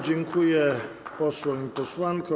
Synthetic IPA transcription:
d͡ʑɛŋkʰujɛ | pɔswaɲpɔswankɔ

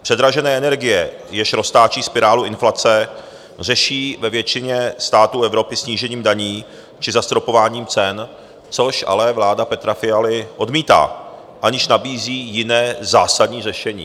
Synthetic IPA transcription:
pr̝̥ɛd̪ɾaʒɛnɛːʔɛnɛɾɡɪjɛ | jɛʃɾo̞st̪aːt͡ʃiːspɪɾaːluʔɪnflat͡sɛ | r̝ɛʃiːvɛvjɛt͡ʃɪɲɛst̪aːt̪uːʔɛvɾo̞pɪsɲiːʒɛɲiːmdaɲiː | t͡ʃɪzast̪ɾo̞po̞vaːɲiːmt͡sɛn | t͡so̞ʃʔa̰lɛvlaːdapɛt̪ɾafɪalɪʔo̞dmiːt̪a̰ː | ʔaɲɪʃnabiːziːjɪnɛːzaːsadɲiːrɛʃɛɲḭː

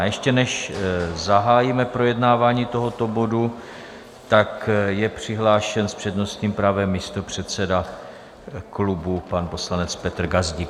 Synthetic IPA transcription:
jɛʃcɛnɛʃzaɦaːjimɛpɾo̞jɛdnaːvaːɲiːt̪o̞ɦo̞t̪o̞bo̞du | t̪akjɛpr̝̥ɪɦlaːʃɛnspr̥ɛdno̞st̪ɲiːmpɾavɛmːist̪o̞pr̝̥ɛt̪t͡sɛda | klubupanpo̞slanɛt͡spɛt̪r̩ɡazɟik

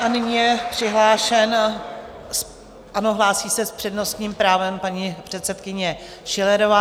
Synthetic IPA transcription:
ʔanɪɲiːjɛpr̝̥ɪɦlaːʃɛn | s | ʔano̞ɦlaːsiːsɛspr̝̥ɛdno̞st̪ɲiːmpɾaːvɛmpaɲipr̥ɛt̪sɛt̪kɪɲɛ | ʃɪlɛɾovaː

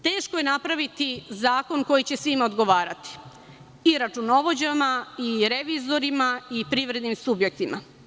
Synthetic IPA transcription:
t̪e̞ːʃkoje̞napɾaʋit̪izaːko̞nko̞jit͡ɕe̞sʋimaod̪ɡo̞ʋaːɾat̪i̥ | iɾat͡ʂuno̞ʋo̞d͡ʑamaiɾe̞ʋizo̞ɾimaipɾiːʋɾe̞d̪nimsubje̞k̚t̪ima

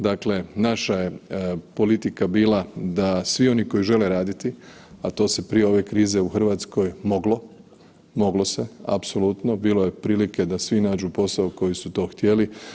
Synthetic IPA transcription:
d̪akle̞naʃaje̞po̞lit̪ikabiːlad̪asʋio̞niko̞jiʒe̞le̞ɾaːd̪it̪i | at̪o̞se̞pɾijeo̞ʋe̞kɾiːze̞uxr̩ʋaːt̪sko̞jmo̞ɡlo̞ | mo̞ɡlo̞se̞a̰pso̞lut̪no̞biːlo̞je̞pɾiːlike̞d̪asʋinaːd͡ʒupo̞saoko̞jisut̪o̞ːxt̪je̞li

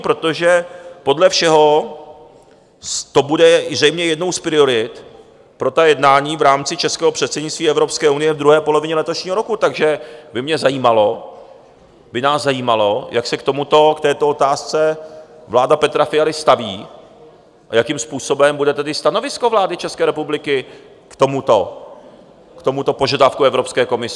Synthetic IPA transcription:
pɾot̪o̞ʒɛpo̞dlɛfʃɛɦo̞ | t̪o̞budɛzrɛjmɲɛjɛdno̞wspɾɪo̞ɾɪt̪ | pɾo̞t̪ajɛdnaːɲiːvɾaːmt͡sɪt͡ʃɛskɛːɦo̞pr̝̥ɛt̪sɛdɲɪt͡st̪viːɛvɾopskɛːʔunɪjɛvd̪ɾuɦɛːpo̞lo̞vɪɲɛlɛt̪oʃɲiːɦoɾo̞kut̪aɡʒɛbɪmɲɛzajiːmalo̞ | bɪnaːzzːajiːmalojʔaksɛkt̪o̞mut̪o̞kt̪ɛːt̪oo̞t̪aːst͡sɛvlaːdapɛt̪ɾafɪjalɪst̪aviː | ʔajakimspuːso̞bɛmbudɛt̪ɛdɪst̪ano̞vɪsko̞vlaːdɪt͡ʃɛskɛːɾɛpublɪkɪ | kt̪o̞mut̪o̞ | kt̪o̞mut̪o̞po̞ʒadafkuɛvɾopskɛːko̞mɪs

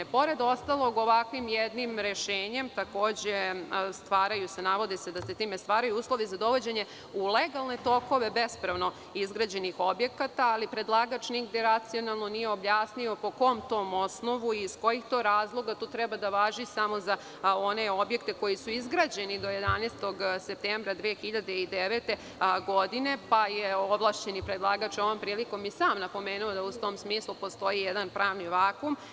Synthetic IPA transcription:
po̞ɾe̞d̪o̞st̪alo̞ɡo̞ʋakʋimjed̪nimɾeʃeːɲe̞mt̪ako̞ːd͡ʑest̪ʋaːɾajuse̞naʋo̞d̪ise̞d̪aset̪iːmest̪ʋaːɾajuuːslˠo̞ʋizad̪o̞ʋod͡ʑeɲe̞ | uleɡalˠne̞t̪o̞ko̞ʋe̞be̞spɾaʋno̞ | izɡɾaːd͡ʑe̞nixo̞bje̞kat̪aːlipɾed̪lˠaɡat͡ʃniɡd̪eɾat̪sio̞nalˠno̞nijeo̞bjaːsnio̞po̞ko̞mt̪o̞ːmo̞sno̞ʋuisko̞jixt̪o̞ːɾaːzlˠo̞ɡat̪uːt̪ɾɛbad̪aʋaːʒisamo̞za | o̞neo̞bje̞kt̪e̞ko̞jisuizɡɾad͡ʑe̞nid̪o̞je̞d̪anest̪o̞ɡsep̚t̪embɾad̪ʋexiʎad̪eid̪eʋet̪e̞ | ɡo̞d̪ine̞pajeo̞blˠaːʃt͡ɕenipɾed̪lˠaːɡat͡ʃo̞ʋo̞mpɾiːliko̞misaːmnapo̞meːnuod̪aut̪o̞ːmsmiːslupo̞st̪o̞jijɛd̪anpɾʔaːʋniʋaːkum

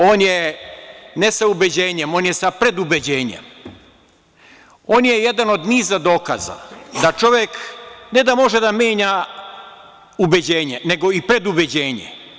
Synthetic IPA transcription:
oːnje | nesaubed͡ʑeːɲemo̞ːnjesapɾe̞d̪ubed͡ʑe̞ːɲḛm | o̞ːnjejed̪ano̞d̪niːzad̪o̞ːka̰za̰d̪at͡ʃo̞ʋjekne̞d̪amo̞ʒed̪amʲje̞ːɲa | ubed͡ʑeːɲeneɡo̞ipɾe̞d̪ubed͡ʑeːɲḛ

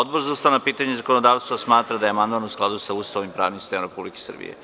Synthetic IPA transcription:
od̪bo̞ɾzaust̪anapiːt̪aɲezakonod̪aːʋst̪ʋasmaːt̪ɾad̪ajeamand̪manusklˠad̪usaust̪aʋimpɾa̰ːʋnimst̪emɾe̞publike̥sr̩bḭjḛ

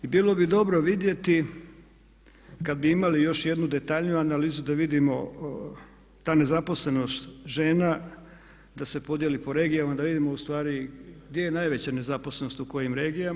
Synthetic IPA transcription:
ibiːlˠo̞bid̪o̞bɾo̞ʋid̪je̞t̪i | kad̪̚biimalijo̞ʃje̞d̪nud̪e̞t̪aʎnijuanaliːzud̪aʋid̪imo̞ | t̪aːne̞zapo̞sle̞no̞st̪ʒe̞ːna | d̪ase̞po̞d̪je̞lipo̞ɾe̞ːɡijamad̪aʋid̪imoust̪ʋaːɾiɡ̚d̪je̞jenajʋe̞t͡ɕane̞zapo̞sleno̞st̪uko̞jimɾe̞ːɡijam

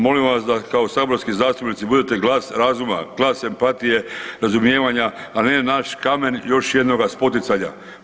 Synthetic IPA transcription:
mo̞limʋasd̪akaosaboɾskizaːst̪upnit̪sibud̪et̪e̞ɡlˠaːsɾazuma̰ɡ̥lˠaːsempat̪ije̞ɾazumjeːʋaɲaːnenaʃkame̞njo̞ʃje̞d̪no̞ɡaspo̞t̪it̪saɲa̰

